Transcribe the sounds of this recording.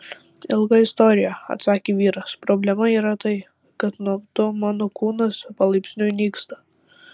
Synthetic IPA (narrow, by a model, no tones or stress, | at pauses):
ɪlˠɡɐɪst̪ɔːɾʲɪjɛɐ̰t̪sɑːkʲeʋʲiːɾɐspɾoːbʲlʲɛmɐiːɾɐt̪ɐɪ | kɐt̪nuɔt̪ʊmɑːnoːkuːnɐspɐlˠɐɪpʲsʲnʲʊɪnʲiːkst̪ɐ̥